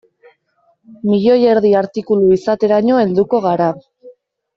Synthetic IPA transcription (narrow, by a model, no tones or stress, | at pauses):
miʎo̞je̞ɾðiaɾt̪ikuluisat̪e̞ɾaɲo̞e̞ld̪uko̞ɣ̞aɾa